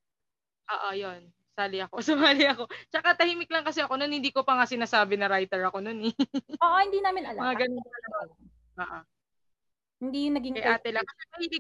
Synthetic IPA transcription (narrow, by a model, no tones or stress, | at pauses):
ʔoːʔojo̞n | saːlɪɐko̞sʊmaːlɪɐko̞t͡ʃɐkat̪ɐhiːmɪk̚lɐŋkɐsɛʔɐko̞no̞nhɪnd̪iːko̞pɐŋasɪnaːsaːbɪnɐɾajt̪ɛɹɐko̞no̞nɛoːʔohɪnd̪iːnaːmɪnɐlmɐŋaɡɐnonɐlɐ | ʔoːʔo | hɪnd̪iːjʊŋnɐɡɪŋkɐjʔɐaːt̪ɛlɐkɐsɛmɐhiːlɪ